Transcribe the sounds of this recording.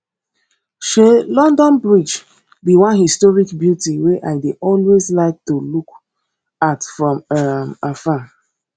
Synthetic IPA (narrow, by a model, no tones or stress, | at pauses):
ʃelɔ̃ndɔ̃nbɹid͡ʒ | biwãnhistɔɹikbjutiweʔaɪdeʔɔlwezlaɪk̚tuluk | atfɹɔ̃mamafa